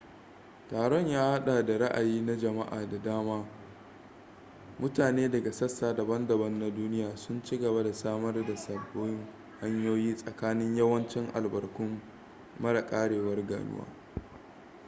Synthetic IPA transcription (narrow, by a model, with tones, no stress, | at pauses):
taː˨ɽɔ˦ɲjaː˦ha˦ɗaː˨da˨ɾa˦ʔa˨jiː˦na˦d͡ʒɐ˨ma̰˦ʔa̰ː˨da˨daː˦maː˦ | mʊ˦taː˨neː˦dɐ˨ɡa˨sɐ˦sːaː˨da˨bɐ˦ndɐ˨bɐ˦nːa˦duː˦nɪ˦jaː˨sʊ˦nt͡ʃi˦ɡɐ˨ba˦da˨saː˦mɐ˦rda˨sɐ˨bːoː˦jɪ˦ŋ | ha˦ɲjoː˦jiː˦sʼɐ˨kaː˦nɪ˦ɲjɐ˦wɐ˦nt͡ʃɪ˦ŋʔa̰˨lbɐ˨rkʷʊ˦mː | ɐ˦ɽɐ˨kʼaː˦ɽeː˨wɐ˦rɡa̰ː˨nʊ̰˦wʔa̰ː˦